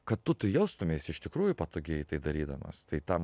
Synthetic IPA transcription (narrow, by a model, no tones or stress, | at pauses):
kɐt̪t̪ːʊt̪ɐɪjɛʊst̪ʊmʲeːɪsɪʃt̪ʲɪkɾuːjʊpɐt̪oːɡʲeɛt̪ɐɪd̪ɐɾʲiːd̪ɐmɐ̰st̪ɐɪt̪ɐm